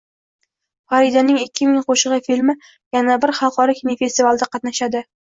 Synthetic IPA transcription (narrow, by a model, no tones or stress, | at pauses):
faɾɪd̪anɪŋɪkʲʰːɪmɪŋqʰoʃɨʁɨfilmɪ | janabɪɾχɑlˠqʰɒɾɪkʲʰɪnife̞st̪ivalˠd̪aqɑt̪naʃad̪ɪ